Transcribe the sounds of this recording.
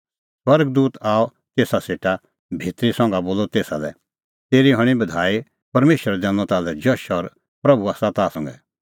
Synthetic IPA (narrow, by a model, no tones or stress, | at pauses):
swɐɾɡd̪uːt̪aːɔ | t̪eːsaseːʈa | bʱit̪ɾisɔ̃ŋɡaboːlɔt̪eːsalɛ | t̪eːɾiɦɔɽ̃ibɐd̪ʱaːi | pɐɾmeːʃəɾɛd̪ɛ̃ːnɔ̃t̪aːlɛd͡ʒɔʃɔɾ | pɾɐbuaːsat̪aːsɔ̃ŋɡɛ